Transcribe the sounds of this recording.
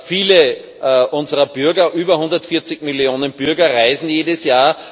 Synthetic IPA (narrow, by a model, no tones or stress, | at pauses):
fiːlə | ʔʊnzəʁɐb̥yɐɡɐʔyːbɐhʊ̃ndɐtfɪɐt͡sɪçmɪljoːnənb̥ʏɐɡɐʁaɪzn̩jeːdəsjaːɐ